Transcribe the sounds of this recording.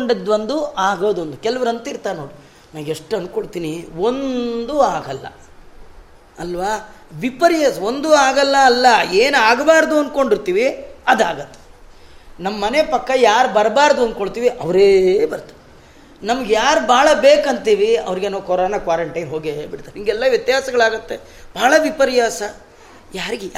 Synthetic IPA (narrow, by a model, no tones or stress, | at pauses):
ɳɖid̪ʋɐnd̪uʔaːɡoːd̪ond̪ukɛlɐʋɐɾɐnt̪ɐiɾt̪aːnoːɽi | naːʋɡeʂʈːɐnkoɭt̪iːnio̞nd̪uaːɡɐlːɐ̰ | ɐlːʋaːʋipɐɾijɐso̞nd̪uaːɡɐlːɐːlːɐeːnaːɡbaːɾd̪uɐnko̞ɳɖiɾt̪iːʋiɐd̪a̰ːɡɐt̪ːe̥ | nɐmːɐːɐne̞pɐkːɐjaːɾbɐɾbaːɾd̪uɐnd̪̚koɭt̪iːʋiʔɐʋɐɾeːbɐɾt̪u̥ | nɐmɐɡejaːɾubaːɭɐbe̞ːkɐnt̪iːʋiɐ̰ʋɐɾiɡenaːkɔɾoːnɐkʋaːɾɐɳʈɐjnɦo̞ːɡebiɽt̪aːɾiŋɡɛlːɐʋjɐt̪jaːsɐɡɐɭaːɡɐt̪ːe̞ | b̥aːɭɐʋipɐɾjaːsɐ | jaːɾiɡe